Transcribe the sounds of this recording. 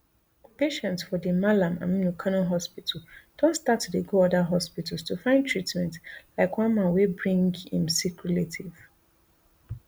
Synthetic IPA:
peʃɛ̃ntsfɔdimalãmã̰mĩnukʰanõɦɔspitʰal̩d̥ɔ̃nstatːudeɡoɔdaɦɔspital̩stufãɪ̃ndtʰɹitmɛ̃ntlaɪkwãnmãnwebɹĩŋɡhḭ̃msikjuletʰiv̥

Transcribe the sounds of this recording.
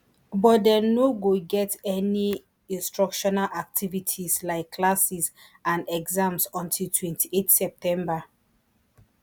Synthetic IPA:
bɔt̚dɛnoɡoɡɛtɛni | ĩnstɹɔkʃɔnalʔak̚tʰivitʰislaɪkʰːlasis | ãnɛɡzãmsɔ̃ntʰiltʰwɛ̃ntʰiʔetsɛp̚tʰɛ̃mba

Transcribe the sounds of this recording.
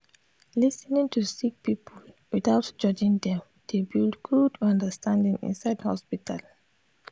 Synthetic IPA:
lisnĩŋtʰusik̚pipʰɔl | wiθaʊtd͡ʒʌd͡ʒĩŋdɛ̃m | d̥ebildɡudʌ̃ndəstʰãndĩŋḭ̃nsaɪdhɔ̰spitʰal

